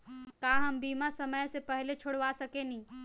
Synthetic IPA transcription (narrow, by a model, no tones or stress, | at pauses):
kaɦəmbimasəməjsepəɦlet͡ʃʰoɽʋasəkeni